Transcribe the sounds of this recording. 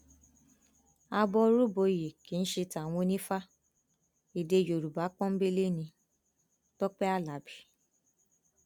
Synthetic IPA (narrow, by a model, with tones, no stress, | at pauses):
a˧bɔ˧ɾu˦bo˧je˨ki˨˦n̩˦ʃe˧ta˨w̃ɔ̃˧nĩ˦fa˦ | i˨de˧˨jo˨ɾu˨ba˨˦k͡pɔ̃˦m̩˦be˦le˦nĩ˧ | tɔ˦k͡pɛ˦a˦la˨˦bi˦